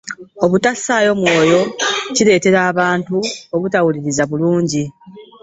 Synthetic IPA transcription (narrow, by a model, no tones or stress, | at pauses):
o̞βutasːaːjo̞mwo̞ːjo̞cile̞ːte̞ɾaːβaːntuo̞βutawuliɾizaβuluːɲɟi